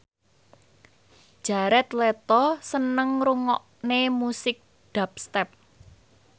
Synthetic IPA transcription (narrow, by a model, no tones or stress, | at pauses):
d̥ʒ̥a̤ɾɛt̪let̪ɔsənəŋɾuŋɔ̰ʔnemusɪk̚ | d̥a̤p̚st̪ɛp̚